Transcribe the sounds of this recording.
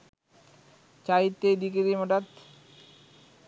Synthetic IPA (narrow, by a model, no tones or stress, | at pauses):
t͡ɕajit̪ːejd̪ikeɾimoʈat̪